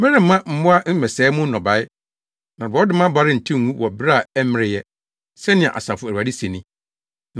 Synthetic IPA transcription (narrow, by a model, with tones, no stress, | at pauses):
mɪ̃˦ɾɪ̃˨m̩˦mːã˦m̩˦mʊ̃˦a˦n̩˦mɛ˨sɛː˨˦mʊ̃˦n̩˦nɔ̃˨ba˨˦ɪ˦ | nã˨ba˨˦dɪ˦mã˦ba˦ɾɪ˦n̩˨tʰĩ˦ŋ˨ũ˦wɔ˨bɪ˦ɾa˦˨æ˦mɪ̃˦ɾɪ˨jɛ˦ | sɛ˦nɪ̃˨ɛ̰˨ʔa̰˨sa˨fʊ˦˨ɾa˨di˦se˨nĩ˦